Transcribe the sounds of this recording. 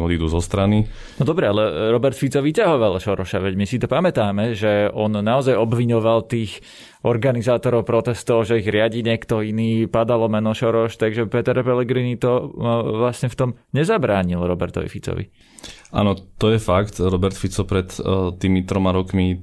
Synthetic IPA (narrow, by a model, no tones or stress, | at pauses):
ɔd̪id̪uːzɔst̪ɾani | nɔd̪ɔbɾɛalɛɾɔbɛɾt̪fit͡sɔʋicaɦɔʋalʃɔɾɔʃaʋɛɟmisit̪ɔpamɛt̪aːmɛʒɛɔnnaɔzajɔbʋiɲɔʋalt̪iːx | ɔɾɡanizaːt̪ɔɾɔʊpɾɔt̪ɛst̪ɔʊʒɛiɣɾɪaɟiːɲɪɛkt̪ɔiniːpad̪alɔmɛnɔʃɔɾɔʃt̪aɡʒɛpɛt̪ɛɾpɛlɛɡɾiːnit̪ɔʋlasɲɛft̪ɔmɲɛzabɾaːɲilɾɔbɛ̰ɾt̪ɔ̰ʋḭfit͡sɔ̰ʋḭ | ʔa̰ːnɔt̪ɔjɛfakt̪ɾɔbɛɾt̪fit͡sɔpɾɛt̪t̪ːiːmit̪ɾɔmaɾɔkmi